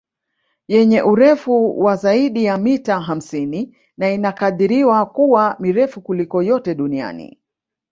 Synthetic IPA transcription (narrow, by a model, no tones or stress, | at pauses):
jɛɲɛʔuɾɛfuwazaiɗijamitaɦam̩sini | nainakaðiɾiwakuwamiɾɛfukulikɔjɔtɛɗunia̰nḭ